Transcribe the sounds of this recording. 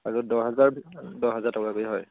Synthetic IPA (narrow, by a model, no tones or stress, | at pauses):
aɹudɔɦɛzaɹbdɔɦɛzaɹtɔkakojɦɔj